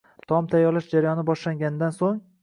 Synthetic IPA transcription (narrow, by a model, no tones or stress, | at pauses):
t̪ʰɒmt̪ʰajːɒɾlaʃd͡ʒaɾajɒnɪbɒʃlaŋɡʲanɪd̪ansoŋ